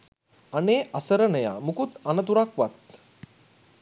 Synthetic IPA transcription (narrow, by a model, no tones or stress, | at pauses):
ɐneːʔɐsəɾənəja̰mukut̪anət̪̬uɾakʋat̪̚